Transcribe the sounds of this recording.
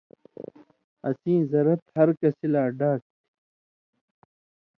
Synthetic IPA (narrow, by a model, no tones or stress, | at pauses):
ɐ̰sĩːzɐɾɐt̪hɐɾkɐsilaːɖaːʈ̚t̪i̥